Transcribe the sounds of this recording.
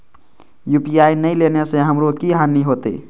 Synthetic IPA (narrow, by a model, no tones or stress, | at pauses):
jupiainəɪlenesẽɦəmɾokiɦaniɦot̪ḛ